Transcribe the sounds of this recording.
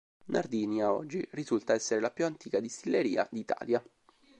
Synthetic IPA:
nʔard̪iːnjaɔ̰d͡ʒːirizult̪aɛsːeɾelapjuant̪iːkad̪ist̪ilːeɾḭːa̰d̪iːt̪a̰ːlja

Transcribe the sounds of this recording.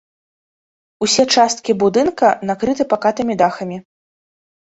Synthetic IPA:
usʲɛt͡ʂast̪̚kʲibud̪ɨnkɐnakɾɨt̪ɨpakat̪ɨmʲid̪axɐmʲi

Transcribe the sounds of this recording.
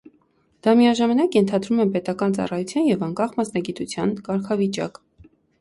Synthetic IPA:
d̪̥ɑmijɑʒɑmɑnɑkjɛnt̪ʰɑd̪ɾumɛpɛt̪ɑkɑnt͡sɑ̰rɑjut͡sʰjɑnjɛvɑŋkɑχmɑsnɑɡit̪ut͡sʰjɑnkɑɾkʰɑvit͡ʃɑ̰k

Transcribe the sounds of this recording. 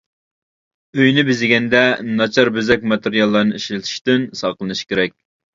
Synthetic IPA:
øjnɪbɪzɪɡʲɛnd̪ɛnɑt͡ʃʰɑɾbøzɛk̚ʲmɑt̪eɾijɑlˠːɑɾnɨiʃlɪt̪ʰɨ̥ʃt̪ɪnsɑqlˠɨnɨʃkʲʰeɾɛk̚ʲ

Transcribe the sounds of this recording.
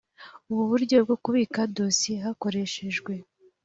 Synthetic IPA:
uβuβuɾɟo̞b̚ɡo̞kuβiːkado̞siɦako̞ɾe̞ʃe̞ʒɡwe̞

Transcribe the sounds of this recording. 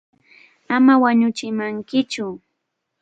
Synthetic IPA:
amawaɲʊt͡ʃɪmaŋkɪt͡ʃʊ

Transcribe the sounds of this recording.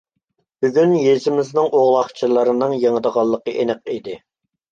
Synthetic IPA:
b̥yɡʲynjezɪmɪznɪŋʔoʁlˠɑχt͡ʃʰɨlˠəɾɨnɨŋjeŋəd̪əʁɑlˠːəqəʔenɨq̚id̪ɪ

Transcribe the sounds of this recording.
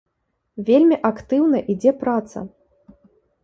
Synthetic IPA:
vʲelʲmʲiʔakt̪ɨwnɐʔid͡zʲɛpɾat̪sɐ̰

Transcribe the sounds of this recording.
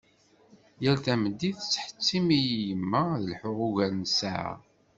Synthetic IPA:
jælθæməd̪ːiθt͡sːħə̥t͡sːimijjəmːæðəlħʊʁuʝænəsa̰ʕ̰

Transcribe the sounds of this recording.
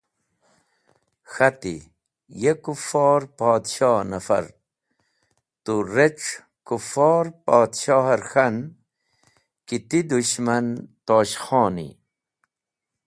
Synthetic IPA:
xat̪ḭ | jekufɔːɾpaːd̪ɕaːnafɐ̰ɾ | t̪uɾeʈ͡ʂ | kufɑːɾpaːd̪ɕaːɦaɾxan | kit̪id̪uɕmant̪oːɕxɔːnḭ

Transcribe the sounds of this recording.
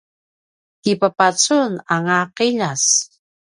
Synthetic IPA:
tipapat͡sunaŋaqiʎas

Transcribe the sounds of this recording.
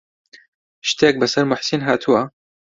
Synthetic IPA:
ʃt̪ʰek̚bɐsɐɾmʊħsiːnɦaːt̪ʰɨwɐ

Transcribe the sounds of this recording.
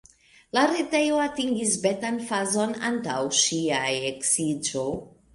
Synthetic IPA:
laɾetejoatiŋɡisbetanfazona̰ntawʃiajeksid͡ʒo

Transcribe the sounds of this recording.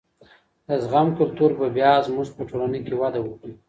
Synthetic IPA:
d̪̥əzɣamkʊlt̪uɾbabjɑzmuʐpəʈʰolanəjkewad̪awui

